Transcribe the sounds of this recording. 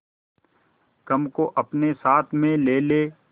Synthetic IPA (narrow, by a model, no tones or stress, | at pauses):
kɐmkoʔɐpnesaːt̪ʰmẽleːleː